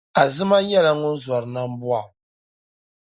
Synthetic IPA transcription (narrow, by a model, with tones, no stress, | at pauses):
a˨zɨ˦ma˦ɲɛ˦la˨ŋʊ˦n˦za˨ɾɨ˨na˦m̩˦bu˦a˨